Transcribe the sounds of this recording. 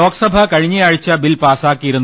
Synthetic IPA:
o̞ːkɐsɐbʱɐkɐɻiɲːɐjaːɻit͡ɕːɐbilpaːsaːkːijiɾunː

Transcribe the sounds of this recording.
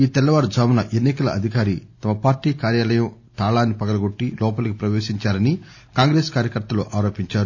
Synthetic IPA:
iːt̪ɛlːɐʋaːɾɐd͡ʒaːmunɐʔenːikɐlɐ̰ɐd̪ʱikaːɾit̪ɐmɐpaːɾʈiːkaːɾjaːlɐjɐm | t̪aːɭaːnːipɐɡɐlɐɡo̞ʈːilɔːpɐlɐkipɾɐʋeːʃiɲt͡ʃaːɾɐni | kaːŋɡɾeːskaːɾjɐkɐɾt̪ɐlṵʔaːɾoːpiɲt͡ʃaːɾu

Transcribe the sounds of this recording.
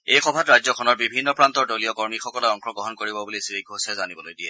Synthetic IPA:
ejxɔbʱatɹajzɔkʰɔnɔɹbibʱinːɔpɹantɔɹdoliɔkɔɹmixɔkɔlɛɔŋxɔɡɹɔɦɔnkoɹibɔbulisiɹiɡʱosɛzanibɔlojdiɛ

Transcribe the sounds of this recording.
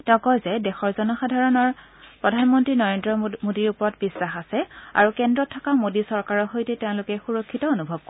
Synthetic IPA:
tɛʊ̃kɔjzɛdɛxɔɹzɔnɔxadʱaɹɔnɔɹ | pɹɔdʱanmɔntɹinɔɹendɹɔmodiɹupɔɹɔtbisːaxasɛa̰ɹukɛndɹɔtʰːakamodisɔɹkaɹɔxojtɛtɛʊ̃lʊkɛxuɹokʰːitɔonubʱɔb̚k

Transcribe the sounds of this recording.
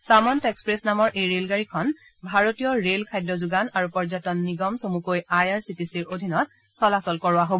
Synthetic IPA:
samɔntekspɹesnamɔɹʔejɹelɡaɹikʰɔnbʱaɹotijɔɹelkʰajdɹɔzuɡanaɹupɔɹzatɔnːiɡɔmsomukojajaɹsitisiɹodʱinɔt̚ | sɔlasɔlkɔɹʊaɦobɔ

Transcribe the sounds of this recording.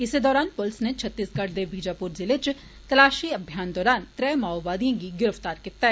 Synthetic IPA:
ɪsed̪ɔːɾaːnpʊlsnet͡ʃʰət̪ːiːsɡɐʈd̪ebiːd͡ʒaːpuːɾzɪlet͡ʃ | t̪ɐlaːʃiɐbʱjaːnd̪ɔːɾaːnt̪ɾɛːmaːɔʋaːd̪ijãɡiɡɪɾəft̪aːɾkiːt̪aɛ

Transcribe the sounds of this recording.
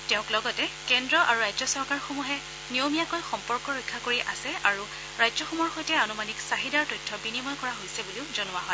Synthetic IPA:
tɛʊ̃klɔɡɔtɛkɛndɹɔʔaɹuɹajzɔsɔɹkaɹxomuɦɛ | niomijakojxɔmpɔɹkɔɹojkʰːakoɹiʔasɛaɹu | ɹajzɔxumɔɹxojtɛanumaniksaɦidaɹtojtʰːɔbinimɔjkɔɹaɦojsɛbuliʊzonʊaɦɔj

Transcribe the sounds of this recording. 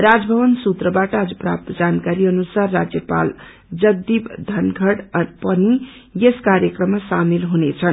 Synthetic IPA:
ɾad͡zbʱʌβʌnsut̪ɾʌbaʈʌad͡zʌpra̰p̚t̪ʌd͡zankaɾiʌnusarːad͡zjʌpa̰l | d͡zʌɡ̚d̪ibd̪ʱʌnɡʱʌɽpʌni | jeskaɾjʌkrʌmːasamilɦunet͡sʰʌn

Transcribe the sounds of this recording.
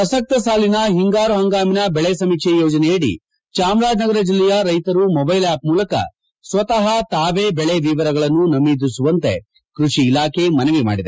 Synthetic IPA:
pɐsɐk̚t̪ɐsaːlinɐɦiŋɡaːɾuɦɐŋɡaːminɐbɛɭesɐmikʂejoːd͡ʒɐneeːɽḭ | t͡ʃaːmɾaːd͡ʒnɐɡɐɾɐd͡ʒilːɛjɐɾɐjt̪ɐɾumɔbɐjlaːp̚muːlɐkɐ̰ | sʋɐt̪ɐɦɐt̪aːʋeːbɛɭeʋiːʋɐɾɐɡɐɭɐnːunɐmid̪isuʋɐnt̪e̞̰ | kɾuʂiːlaːkʰe̞mɐnɐʋima̰ːɽid̪e

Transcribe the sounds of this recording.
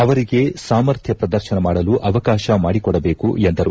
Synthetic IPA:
ɐʋɐɾiɡe̞saːmɐɾt̪ʰjɐpɾɐd̪ɐɾʃɐnɐmaːɽɐluʔɐʋɐkaːʃɐmaːɽikɔɽɐbe̞ːkṵend̪ɐɾu

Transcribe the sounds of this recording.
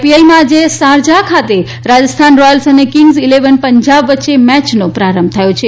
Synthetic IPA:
piaimãd͡ʒesaɾd͡ʒakʰat̪e | ɾad͡ʒəst̪ʰanɾɔjəlsənekiŋɡzileʋənpəɲd͡ʒabʋətːʃemɛt͡ʃnopɾaɾəmb̚t̪ʰəjõt͡ʃʰe

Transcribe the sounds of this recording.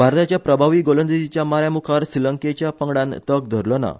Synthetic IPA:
bʱaɾt̪at͡ɕjapɾəbʱaʋiːɡolə̃nd̪id͡ʑit͡ɕjamaɾjamukʰaɾsiləŋket͡ɕjapəŋɽãnt̪ək̚d̪ʱəɾləna̰

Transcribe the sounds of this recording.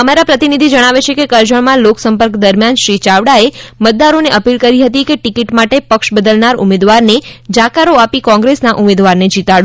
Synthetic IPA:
əmaɾapɾət̪inid̪ʱid͡ʒəɽ̃aʋet͡ʃʰekekəɾd͡ʒəɳmãloksəmpəɾkd̪əɾmjanʃɾit͡ʃaʋɽaemət̪̚d̪aɾoneʔəpilkəɾiɦət̪ikeʈikiʈmaʈepəkʃbəd̪əlnaɾṵmed̪ʋaɾned͡ʒakaɾoapikɔ̃ŋɡɾesnaʔumed̪ʋaɾned͡ʒit̪aɭũ

